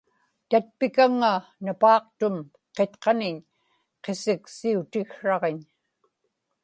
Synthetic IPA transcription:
t̪at̪̚pɪkaŋːanapɑːq̚t̪ʊm | qet̪qɑnɪɲ | qe̞sɪksiut̪ɪxʂɑʁeɲ

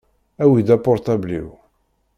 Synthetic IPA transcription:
æwid̪æpɔɾˤt̪æblḭw

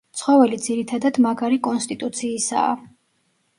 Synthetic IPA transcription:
t̪sʰχɔvɛlid̪ziɾit̪ʰad̪ad̪maɡaɾikʼɔnst̪ʼit̪ʼut̪sʰiːsa̰ː

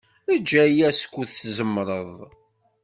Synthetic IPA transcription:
əd͡ʒːæjæskʷːuðθzəmːɾˤəðˤ

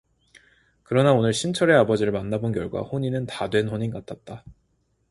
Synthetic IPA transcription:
kɯɾʌnaonɯɭɕʰint͡ɕʰʌɾe̞abʌd͡ʑiɾɯɭmanːabonkjʌɭɡwa̰ɸoɲinɯntadwe̞nɸoɲinkat͈ʰat̚t͈a

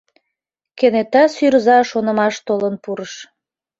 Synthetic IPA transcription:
kenet̪ɑsyɾzɑʃonə̆mɑʃt̪olənpuɾəʃ

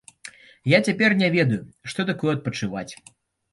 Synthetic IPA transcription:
jat͡sʲapʲɛrnʲɛvʲɛd̪ɐjuʂt̪ɔt̪akɔjɛɐt̪̚pɐt͡ʂɨva̰t͡sʲ

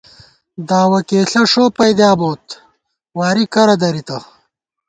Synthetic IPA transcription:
d̪aːwɐkeːɬɐʂoːpɐjd̪jaːboːt̪ | waːɾikɐɾɐd̪ɐɾit̪ɐ

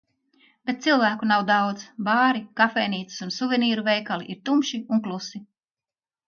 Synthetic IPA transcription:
b̥et̪̚t̪silˠvæːkunawd̪awd̪zbaːɾikafɛjniːt̪si̥sunsuvʲɛniːɾuvɛjkaliʔiɾt̪umʃiunklˠusi

